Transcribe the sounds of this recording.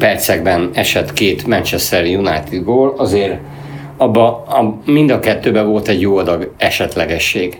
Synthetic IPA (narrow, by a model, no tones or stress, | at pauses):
pɛrt̪sɛɡbɛnɛʃɛt̪keːt̪mɛnt͡ʃɛst̪ɛrjunajt̪id̪boːlɒzeːr | ɒbːɒɒmind̪ɒkɛt̪ːøːbɛvo̞lt̪ɛɟjoːɒd̪ɒɡɛʃɛt̪lɛɡɛʃːeːɡ